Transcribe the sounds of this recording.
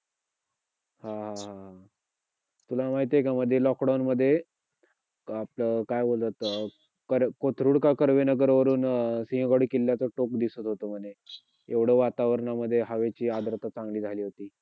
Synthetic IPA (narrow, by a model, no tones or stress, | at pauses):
hãɦãɦãɦa | t̪ulamaɦit̪̬ekaməd̪ʱːjelɔkɖawnməd̪ʱːje | apləkajbolt̪at̪ | kəɾkot̪ʰɾuɽkakəɾʋenəɡəɾʋəɾuːnsĩɦɡəɽkilːjat͡səʈok̚d̪isət̪ɦot̪əm̤əne | eʋɽ̤əʋat̪aʋəɾɳaməd̪ʱːjeɦəʋet͡ɕiːad̪ɾət̪at͡sãŋɡliːd͡zʱaliːɦot̪iː